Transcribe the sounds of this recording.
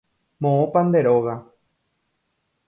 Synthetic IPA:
mõõpand̪eɾoɣa

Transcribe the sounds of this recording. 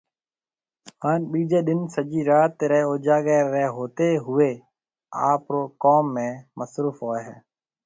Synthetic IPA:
haːnɓiːd͡ʒeːɗ̪ɪnsəd͡ʒiːɾaːt̪ːɾɛoːd͡ʒaːɡeːɾeɦoːt̪eːɦʊeː | a̰ːpɾoːkoːmːẽːməsɾuːfɦoːeːɦɛ̰ː

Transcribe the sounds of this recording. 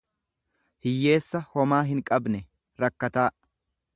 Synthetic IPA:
hɪjːe̞ːsːɐhɔmaːɦɪŋkʼɐbnɛ | ɾɐkːɐt̪aː

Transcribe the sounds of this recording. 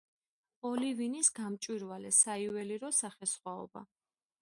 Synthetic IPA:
ɔlivinisɡamt͡ʃʼwiɾvalɛsaivɛliɾɔsaχɛsχwaɔ̰ba̰

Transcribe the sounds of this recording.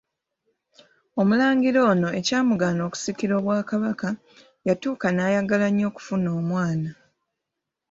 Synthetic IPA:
o̞mulaːŋɡiɾo̞ːno̞e̞caːmuɡaːno̞ːku̥sikiɾo̞ːβwaːkaβaka | jatuːkanaːjaɡalaɲo̞ːku̥funo̞ːmwaːna

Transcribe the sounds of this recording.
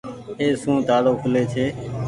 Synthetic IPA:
eːsũːt̪aːloːkəleːt͡ʃʰeː

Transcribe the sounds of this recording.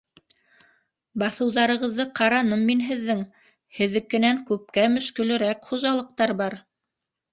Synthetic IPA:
bɑθɤ̆wðɑɾɤ̆ʁɤ̆ðːɤqɑɾɑnɤmːinɦɘ̆ðːɘŋ | hɘ̆ðɘ̆kːɘ̆næŋkʉp̚kæmɵ̆ʃkɵ̆lɘ̆ɾækχuʒɑlˠɤ̆q̚t̪ɑɾbɑɾ

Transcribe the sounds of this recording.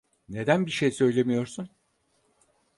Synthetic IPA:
ne̞d̪ænbiʃejsø̞jlʲe̞mijo̞ɾsun

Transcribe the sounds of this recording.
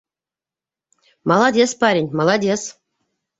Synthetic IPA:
mɑlˠɑd̪ʲespɑɾʲinʲmɑlˠɑd̪ʲes

